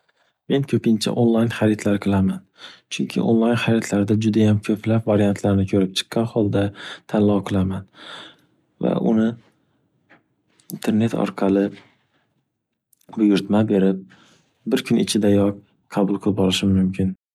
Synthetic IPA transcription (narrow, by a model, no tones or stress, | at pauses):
me̞nkʲʰɵpɪnt͡ʃʰa̰ʔonlˠajnχaɾit̪ʰlaɾqʰɨlˠamant͡ʃʰʊŋkʲʰɪ̰ʔonlˠajnχaɾit̪ʰlaɾd̪ad͡ʒʊd̪ajamkʰɵplapvaɾijant̪ʰlaɾɪnɪkʲʰɵɾɪp̚t͡ʃʰɨ̥qʰːɑnχɒlˠd̪at̪ʰanlːɒwqʰɨlˠaman | va̰ʔʊ̰nɪ | int̪ʰe̞ɾne̞t̪ʰɒ̰ɾqʰɑlˠɪ | bʊjʊɾt̪mabe̞ɾɪp̚ | bɪɾkʲʰʊnɪt͡ʃʰɪd̪ajɒq | qʰɑbʊlˠqʰɨlˠɪpɒlˠɪʃɪmːʊmkʰʲɪn